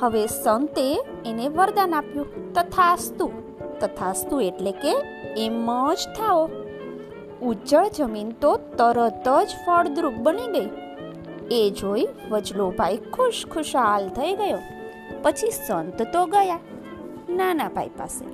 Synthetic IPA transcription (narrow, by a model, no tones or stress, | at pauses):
həʋesənt̪eː | neʋəɾd̪anapjũt̪ət̪ʰast̪u | t̪ət̪ʰast̪ueʈlekeː | məd͡ʒt̪ʰao | ut͡ʃəɭd͡ʒəmint̪ot̪əɾət̪əd͡ʒfəɽd̪ɾuk̚bəniɡəi | ed͡ʒoi | ʋəd͡ʒlobʱajkʰuʃkʰʊʃalt̪ʰəiɡəjo | pət͡ʃʰisənt̪t̪oɡəja | nanabʱa̰ipa̰sḛ